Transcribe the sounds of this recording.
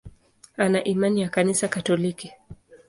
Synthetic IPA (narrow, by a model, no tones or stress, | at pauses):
anaʔimanijakanisakatɔliki